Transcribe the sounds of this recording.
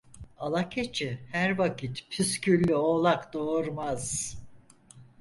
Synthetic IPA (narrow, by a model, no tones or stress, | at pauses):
alˠacʰet͡ʃʰihæɾvakit̪pʰyscʰylʲːyolˠakd̪oːɾmaz̥